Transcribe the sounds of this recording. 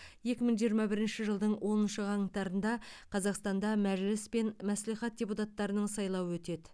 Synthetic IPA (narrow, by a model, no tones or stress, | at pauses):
je̞kʲɪməɴʒijəɾmɑbɪɾɪnʃɪʒəlˠd̪əɴwʔo̞nənʃəʁɑŋət̪ɑɾənd̪ɑqʰɑzɑqst̪ɑnd̪ɑmæʒlɪspe̞nmæsliχɑt̪̚d̥ʲe̞put̪ɑt̪ːɑɾənəɴsɑjlˠɑwəwɵt̪e̞d̪ɪ